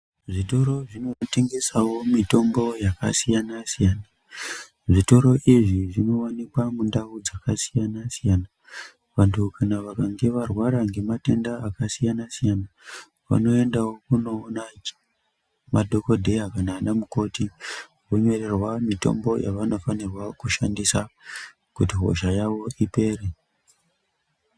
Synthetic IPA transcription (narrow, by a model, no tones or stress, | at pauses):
ʐito̞ɾo̞ʐino̞teŋɡesawo̞mito̞mbo̞jakasijanasijaːna | ʐito̞ɾo̞ʔiʐiʐino̞wanikwamundaud͡zakasijanasijana | ʋantʰukanaʋakaŋɡe̞ʋarwaɾaŋɡe̞mate̞ndaːkasijanasijana | ʋa̰no̞endawo̞kuno̞ːna | madʱo̞ko̞dʱe̞akanaːɗamuko̞ti | woɲo̞re̞rwamito̞̰mbo̞jʔa̰ʋano̞fanirwakuʃandisa | kutiɦo̞̰ʒajawo̞ʔipe̞ːre